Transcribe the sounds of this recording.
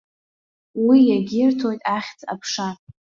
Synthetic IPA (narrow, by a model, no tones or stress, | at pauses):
wijaɡʲɪrtʰo̞jtʼaχʲt͡sʼa̰pʰʂa